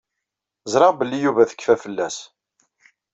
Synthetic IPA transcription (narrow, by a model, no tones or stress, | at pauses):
zɾˤɑʁbəlːijuvæθə̥kːfæfəlːæs